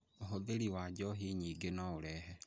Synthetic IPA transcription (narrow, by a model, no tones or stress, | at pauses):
oɦoðeɾiwaɟɔɦiɲiɡenaoɾɛɦɛ